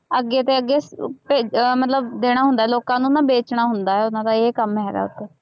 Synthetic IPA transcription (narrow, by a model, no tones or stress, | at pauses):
əɡːeːt̪eːəɡːeːpeːmət̪ləbd̪eːɽ̃aːɦʊnd̪aːɛloːkãːnũːnãːbeːt͡ʃɳaːɦʊnd̪aːɦɛːʊnãːd̪aːeːkəmɦɛːɾa̰ːʊ̰t̪ːeː